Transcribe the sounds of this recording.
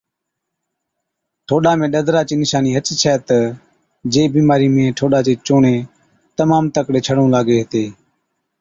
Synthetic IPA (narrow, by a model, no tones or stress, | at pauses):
ʈʰoːɗaːmẽːɗəd̪ɾaːt͡ʃiːnɪʃaːniːɦət͡ʃt͡ʃʰɛːt̪ə | d͡ʒeːbiːmaːɾiːmẽːʈʰoːɗaːt͡ʃeːt͡ʃoːɳeː | t̪əmaːmt̪əkɽeːt͡ʃʰəɽõːlaːɡeːɦt̪eː